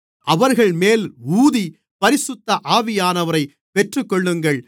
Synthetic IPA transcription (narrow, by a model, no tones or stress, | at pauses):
ʔɐʋɐɾɣɐɭmeːluːði | pɐɾɪsʊt̪ːɐʔaːʋɪjaːnɐʋɐɾɐɪ | pɛʈrɯkːɔɭːɯŋɡɐɭ